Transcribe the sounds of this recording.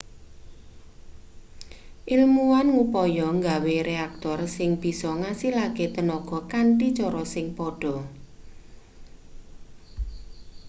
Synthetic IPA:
ʔilmuwanŋupɔjɔŋɡaweɾeak̚t̪ɔrsɪŋb̥i̤sɔŋasilaket̪ənɔɡ̥ɔ̤kaɳʈit͡ʃɔɾɔsɪŋpɔɖ̥ɔ̤

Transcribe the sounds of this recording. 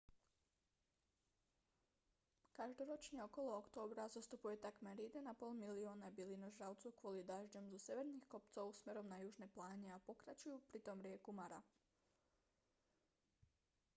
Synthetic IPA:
kaʒd̪oɾot͡ʃɲeo̞ko̞lookt̪oːbɾazast̪upuje̞t̪akmeɾjed̪anapoːlˠmilioːnabilinoʒɾawt̪sukʋolid̪aʒd͡ʒomzuse̞ʋeɾnixkop̚t̪sowusme̞ɾo̞mnajuʒneplˠaːɲeapo̞kɾat͡ɕujupɾit̪o̞mɾje̞kumaɾa

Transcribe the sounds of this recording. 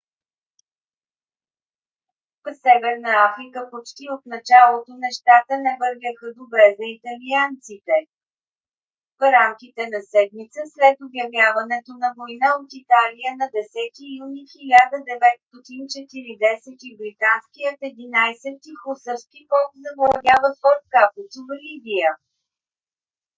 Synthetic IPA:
psɛvɛɾnəafɾikəpot͡ʃt̪iot̪nɐt͡ʃalˠot̪onɛʃt̪at̪ənɛvɤɾvʲjəxəd̪obɾɛzəit̪ɐliant̪sit̪ɛ | fɾamkit̪ɛnɐsɛd̪mit̪səslɛt̪objɐvjavɐnɛt̪onɐvojnaot̪it̪alijənɐd̪ɛsɛt̪ijunixilʲad̪əd̪ɛvɛt̪st̪ɔt̪int͡ʃɛt̪iɾid̪ɛsɛt̪ibɾit̪ansk̟ijət̪ɛd̪inajsɛt̪̚kixosəɾskipɔlˠkzɐbolˠɐɡʲavət̪vəɾfkapt̪sovəlibijə

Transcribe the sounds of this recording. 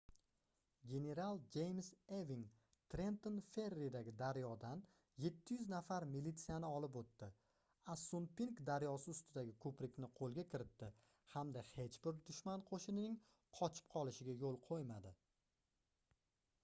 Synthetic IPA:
ɡʲe̞ne̞ɾalˠd͡ʒe̞jmseviŋ | t̪ʰɾe̞nt̪onfe̞ɾːid̪aɡʲɪd̪aɾjɒd̪an | je̞t̪ʰːɪjʏznafaɾmilit̪sijanɪɒlɪp̬ot̪ːɪ | asunpiŋkd̪aɾjɒsɪʊst̪ɪd̪aɡʲɪkʰɵpɾɪkʲnɪqʰolˠɡʲakʲʰɪɾɪt̪ːɪ | hamd̪ahe̞t͡ʃbɪɾd̪ʊʃmanqʰoʃɪnɪnɪŋ | qʰɒt͡ʃʰɪ̥p̚qʰɒlˠɪʃɪɡʲajolˠqʰojmad̪ɪ

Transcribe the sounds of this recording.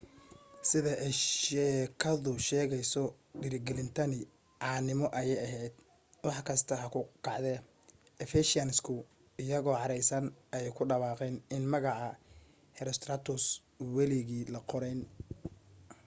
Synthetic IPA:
sɪðɐʔɛjʃɛːkʰɐðʊʃɛːɣɛjsɔ | ɖɪɾɪɡɛlɪnt̪ʰɐnɪ | ʕɑːnɪmɔʔɐjɛjɐɦɛjd̪̥̚ | wɑħkʰɐst̪ʰɐɦɐkʰʊkʰɑʕd̪ɛ | ɛfɛʃɪɐnɪskʰʊ | ɪjɐɣɔːʕɑɾɛjsɐnɐjɛjkʰʊɖɐwɑːqɛːnɪnmɐɣɑʕɑ | hɛɾst̪ɾat̪ʰʊs | wɛlɪɣiːlɐqɔɾɛjn

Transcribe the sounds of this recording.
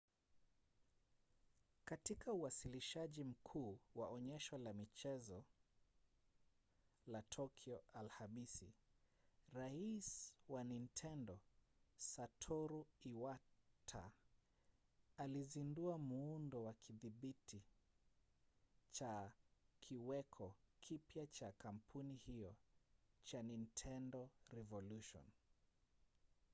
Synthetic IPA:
katikauwasiliʃaʄim̩kʰuːwaɔɲɛʃɔlamit͡ʃɛzɔ | latʰɔkʰiɔalhamisḭ | ɾaiswanintʰɛndɔsatʰɔɾuiwatʰa̰ | alizinduamuundɔwakʰiðiɓitʰi | t͡ʃakʰiwɛkʰɔkʰipjat͡ʃakam̩pʰunihiɔ | t͡ʃanintʰɛndɔɾɛvɔluʃɔ̰n

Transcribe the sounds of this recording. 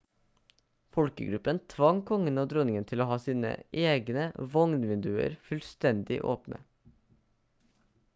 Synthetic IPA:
fɔlkə̰ɡɾʉpənt̪ʰʋɑŋkʰɔŋənoːd̪ɾɔnɪŋənt̪ʰɪloːhɑːsiːnə̰ʔeːɡnəʋɔŋnʋɪnd̪ʉːə̰ɾfʉlst̪ɛnd̪ɪ̰ʔoːpnə̰

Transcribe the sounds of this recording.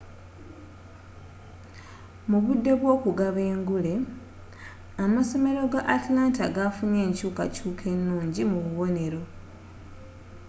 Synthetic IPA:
muβudːe̞βwo̞ːkuɡaβe̞ːŋɡule̞ | amaso̞me̞ɾo̞ɡaʔːtlaːntaɡafune̞ːɲcuːka̰cuːkʰe̞nːuːɲɟimuβuβo̞ne̞ɾo̞

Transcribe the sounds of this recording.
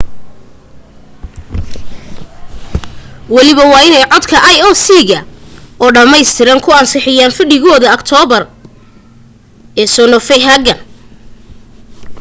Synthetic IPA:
wɑlɪβɐwɑːɪnɛjʕɔd̪kʰɐʔɐjɔːsiːɣɐɔːɖɐmɛjst̪ʰɪɾɐŋkʰʊɐnsɪħɪjaːnfɪɖɪɣɔːðɐːkt̪ʰɔːβɐr | ɛːsɔːnɔfɛjɦɐɡɐn

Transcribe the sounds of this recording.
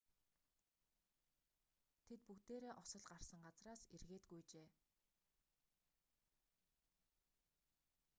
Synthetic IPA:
t̪ʰet̪̚pukt̪eːɾeːʔɔsɞ̆ɮɢarsə̆ŋɢat͡sraːserɣeːt̪ɡujt͡ɕeː

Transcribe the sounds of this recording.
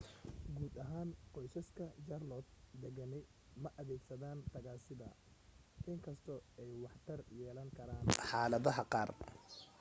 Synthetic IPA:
ɡuːd̪ɐɦaːnqɔjsɐskʰɐd͡ʒɐrlɔd̪̚d̪ɛɣɐnɛj | mɐʔɐðɛːɡsɐðaːnt̪ʰɐɣaːsɪðɐ | ʔɪŋkʰɐst̪ʰɔɛjwɑħt̪ʰɐrjɛːlɐŋkʰɐɾaːnħɑːlɐðɐɦɐqɑːr

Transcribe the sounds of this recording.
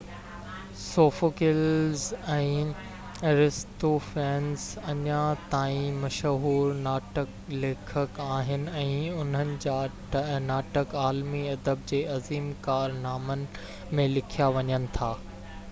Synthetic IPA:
soːfokɪlzɛ̃ː | ɾɪst̪ofɛ̃ːnzɐɲãt̪aːĩmɐʃɦuːɾnaːʈəkleːkʰəkaːɦɪnɪ̆ɛ̃ːʊn̤ənɪ̆d͡ʑaː | naːʈəkaːlmiɐd̪əb̚d͡ʑeːɐziːmkaːɾnaːmənɪ̆ | mẽlɪkʰijaʋɐɲənɪ̆t̪ʰaː

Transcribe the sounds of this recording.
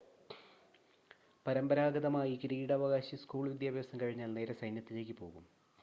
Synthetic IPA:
pɐɾɐmbɐɾaːɡɐðɐmaːjikiɾiːɽɐʋɐɣaːɕiskuːɭʋid̪jaːbʱjɐsɐmkɐɻiɲːaːlne̞ːɾɐsɐjnjɐt̪ːile̞ːk̬ʲːɨpo̞̰ːɣum

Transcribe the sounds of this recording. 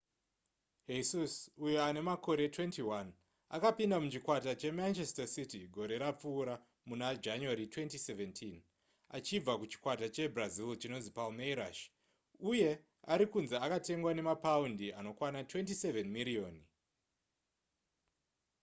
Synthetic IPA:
ɦesusujoane̞mako̞ɾe̞twe̞ntiwan | a̰kapindamut͡ʃikwatat͡ʃe̞mant͡ʃe̞stasitiɡʱo̞ɾe̞ɾap͡fuːɾa | munad͡ʒanuaɾitwe̞ntiseventʰin | a̰t͡ʃib͡vakut͡ʃi̥kwatat͡ʃe̞brazilt͡ʃino̞nzipalmeiɾa̰ʃ | uje̞ | aɾikunzeakate̞ŋɡwane̞mapaundiano̞kwanatwe̞ntise̞venmirio̞ːn

